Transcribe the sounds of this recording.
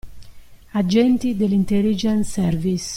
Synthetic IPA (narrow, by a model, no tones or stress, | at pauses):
ad͡ʒɛnt̪id̪elint̪ɛlid͡ʒɛnsɛɾvis